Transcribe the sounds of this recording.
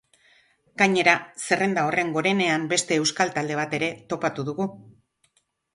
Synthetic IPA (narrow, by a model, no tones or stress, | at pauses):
ɡ̥aɲe̞ɾase̞re̞nd̪ao̞re̞ŋɡo̞ɾe̞ne̞ambe̞st̪e̞ːwskalt̪ald̪e̞β̞at̪e̞ɾe̞t̪o̞pat̪uðuɣu